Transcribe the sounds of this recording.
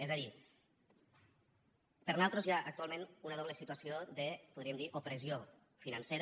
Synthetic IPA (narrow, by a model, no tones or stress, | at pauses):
ezaði | pəɾnalˠt̪ɾozjaʔak̚t̪ualmẽnunaðɔβləsit̪uasioðəpuðɾiəmd̪iʔopɾəzio | finanseɾ